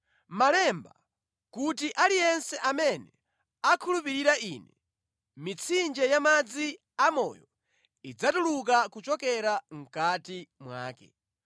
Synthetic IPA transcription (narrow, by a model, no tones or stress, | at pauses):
malɛmba̰ | kutiʔalijɛnsɛʔamɛnɛ | akʰulupiɾiɾainɛ | mit͡sʰind͡ʒɛjamad͡zi | amɔ̰ːjɔ | id͡zatuluk̬akut͡ʃɔkɛɾaŋ̩katimwa̰ːkɛ̰